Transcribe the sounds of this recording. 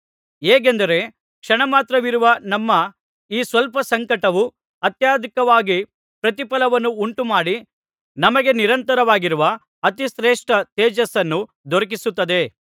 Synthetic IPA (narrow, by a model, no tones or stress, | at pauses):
eːɡend̪ɐɾe̞ | kʂɐɳɐmaːt̪ɾɐʋiɾuʋɐnɐmːɐ | iːsʋɐlpɐsɐŋkɐʈɐʋu | ɐt̪jaːd̪ʱikɐʋaːɡi | pɾɐt̪ipɐlɐʋɐnːuuɳʈumaːɽi | nɐmɐɡe̞niɾɐnt̪ɐɾɐʋaːɡiɾuʋɐ | ɐt̪isɾeːʂʈɐt̪eːd͡ʒɐsɐnːu | d̪ʱɔɾɐk̬isut̪ːɐd̪e̞